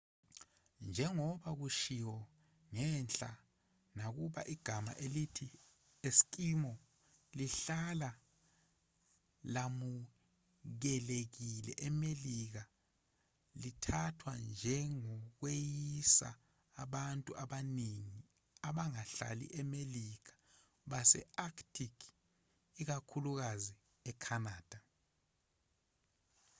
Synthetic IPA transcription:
nd͡ʒʱɛŋɔɓaɣuʃiwɔ | ŋɛnɬʼa | naɣuɓa̰ʔiɡ̥ʱama̰ʔelitʰi | esi̥kʼimɔ | liɬala | lamu | ɣɛleɣilɛ̰ʔɛmeliɣa | litʰatʰwand͡ʒʱɛŋɔk̬wejisa̰ː | ɓantʼuaɓaniŋi | aɓaŋaɬa̰lḭʔɛmelikḁ | ɓasɛ̰aktʰʼikʰ | ik̬akʰuluk̬azi | ɛkʰanaːd̥ʱa

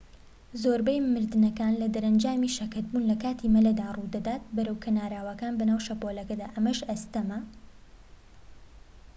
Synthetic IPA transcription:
zoːɾbɛjmɨɾd̪ɨnɐkaːnlɐd̪ɐɾɐnd͡ʒaːmiːʃɐkɐt̪̚buːnlɐkaːt̪ʰimɐlɐd̪aːrud̪ɐd̪aːt̪̚bɐɾɐwkʰɐnaːɾaːwɐkaːnbɐnaːwʃɐpolɐkɐd̪aːʔɐmɐʃɐst̪ɐmɐ

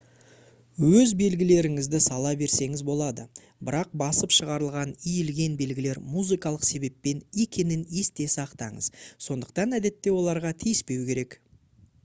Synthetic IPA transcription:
wɵzbe̞lɡʲɪle̞ɾɪŋɪzd̪ɪsɑlˠɑbe̞ɾse̞ŋɪzbo̞lˠɑd̪ə | bɪɾɑq̚bɑsəpʃəʁɑɾəlˠʁɑnijɪlɡʲe̞nbe̞lɡʲɪle̞ɾmuzikɑlˠəqse̞be̞pːe̞ne̞kʲʰe̞nɪne̞st̪e̞sɑqt̪ɑɴə̰zso̞nd̪əq̚t̪ɑnæd̪e̞t̪ːe̞wo̞lˠɑɾʁɑt̪ʰijɪspe̞wkʲʰe̞ɾe̞k

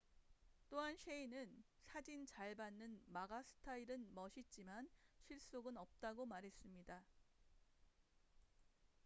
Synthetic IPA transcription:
t͈oɦanɕʰeinɯn | sʰad͡ʑint͡ɕaɭbanːɯnmaɡasʰɯ̥tʰaiɾɯnmʌɕʰit̚t͡ɕ͈imanɕʰiɭs͈oɡɯnʌp̚t͈aɡomaɾɦe̞s͈ɯmɲida

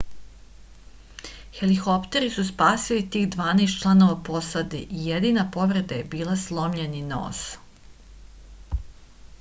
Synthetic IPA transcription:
xelixo̞pt̪e̞ɾisuspaːsilit̪iːxd̪ʋaːneːst̪t͡ʃlˠano̞ʋapo̞sad̪eʔijed̪inapo̞ʋɾe̞d̪aje̞biːlˠaslˠo̞mʎenino̰ːs

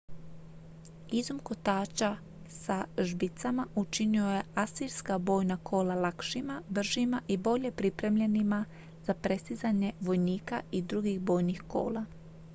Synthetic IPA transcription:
izumkot̪aːt͡ʃa | saʒbit̪samaʔut͡ʃinio̞je̞asiɾskabo̞ːjnakʰo̞ːlalakʃimabr̩ʒimaʔibo̞ʎe̞pɾipɾe̞mʎenima | z̥apɾe̞st̪izaɲe̞ʋo̞jniːkaid̪ɾuɡiɣbo̞ːjnixko̞̰ːla

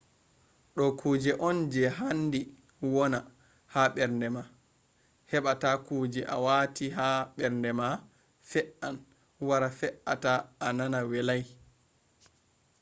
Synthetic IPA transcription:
ɗɔkʰuːd͡ʒɛʔɔnd͡ʒɛɦandi | wɔna | haɓɛɾndɛma | hɛɓatakuːd͡ʒɛʔa̰watiɦaɓɛɾndɛma | fɛʔan | waɾafɛʔataːnanawɛlaj

